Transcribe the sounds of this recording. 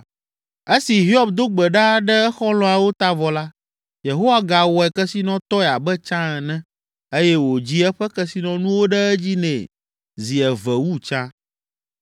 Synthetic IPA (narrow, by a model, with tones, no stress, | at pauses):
e˦si˨ɦi˦ɔ˦bd̪o˦ɡ͡bɛ˨ɖa˦ɖɛ˦ɛ˦xɔ˦lɔ̃˦a˨wo˦t̪a˦vɔ˨la˦ | je˨ɦo˦wa˦ɡa˨wɔ˨ɛ˨kɛ˦si˦nɔ̃˦t̪ɔ˦ɛ˨a˨bɛ˦t͡ʃã˦ɛ˨nɛ̃˦ | e˦jɛ˦wo˨d͡ʑi˦ɛ˦ɸɛ˦kɛ˦si˦nɔ̃˨nũ˦wo˦ɖɛ˦ɛ˦d͡ʑi˦nɛ̃˨ | zi˨ɛ˨vɛ˨wu˦t͡ʃã˦